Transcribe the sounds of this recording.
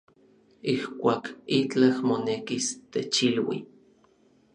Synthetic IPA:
ihkʷaːkit͡ɬahmonekist̪et͡ʃilwḭ

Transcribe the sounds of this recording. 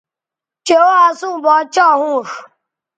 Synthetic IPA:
t͡ʃeoasʊbɔt͡ʃɔɦʊ̃ɾu

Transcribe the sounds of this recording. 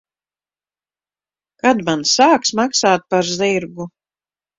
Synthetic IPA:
kad̪mansaːksmaksaːt̪̚paɾziɾɡu

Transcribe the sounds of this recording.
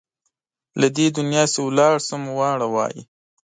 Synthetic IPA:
lad̪ed̪ʊnjɑːsewlɑːɽsəmwɑːɽawɑ̰ːjḭ

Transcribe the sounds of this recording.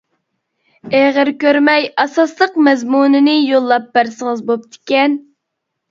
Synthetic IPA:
æʁəɾkʲøɾmɛjɑsɑslˠəqmɛzmunɪnɪjolˠːɑpːæɾsəŋəzbop̚t̪ʰɪ̥kʲɛn

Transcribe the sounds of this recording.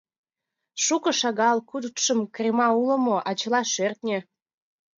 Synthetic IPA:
ʃukɤ̆ʃɑɣɑlkud̪t̪ʃəmkrʲemɑulə̆moʔɑt͡ɕə̆lɑʃørt̪nʲĕ

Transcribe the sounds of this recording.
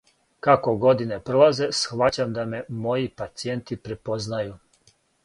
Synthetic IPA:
kako̞ɡo̞d̪ine̞pɾolˠaze̞sxʋat͡ɕamd̪ame̞mo̞jipat̪sije̞nt̪ipɾe̞po̞znaju

